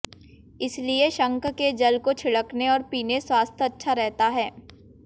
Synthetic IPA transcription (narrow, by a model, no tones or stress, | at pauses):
ɪslieʃɐ̃ŋkked͡ʒɐlkot͡ʃʰɪɽəkneɔːɾpiːneswaːst̪ʰɐtːʃʰaɾɛɦt̪aɦɛː